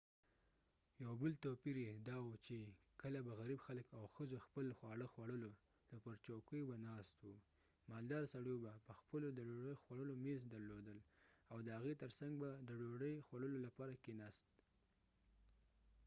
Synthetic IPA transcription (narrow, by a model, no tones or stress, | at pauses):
jawbəlt̪opiɾed̪ɑwut͡ʃe | kəlabaɣaɾibxaləkawxəzoxpəlxwɑɽəxwaɽəlo | d̪̥əpəɾt͡ʃokəjbanɑst̪wu | mɑld̪ɑɾsaɽjobapəxpəlod̪əɖoɽəjxwaɽəlomezd̪aɾlod̪əlawd̪əhaɣet̪əɾsaŋɡ̚bad̪əɖoɽəjxwaɽəlolapɑɾakenɑst̪̚